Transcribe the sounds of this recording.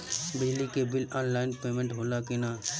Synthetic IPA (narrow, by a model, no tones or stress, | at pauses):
bɪd͡ʒlikebɪlɔːnlaːɪnpeːmẽɳʈɦoːlakɪnaː